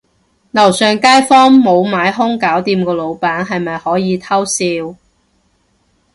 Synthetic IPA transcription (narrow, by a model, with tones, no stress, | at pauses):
lɐ˨˩wsœː˨ŋkaː˥jfɔː˥ŋmo˨˧wmaː˨˧˥jɦʊ˥ŋkaː˨˥wt̪iː˧mkɔː˧lo˨˧wpaː˨˥nɦɐ˨jmɐ˨jhɔː˨˥jiː˨˧t̪ʰɐ˥wsiː˧w